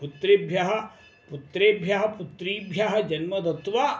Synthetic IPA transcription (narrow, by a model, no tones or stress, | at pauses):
put̪ɾebʱjaɦɐ̆ | put̪ɾeːbʱjaɦɐ̆put̪ɾiːbʱjaɦɐd͡ʒɐnmɐd̪ɐt̪ʋaː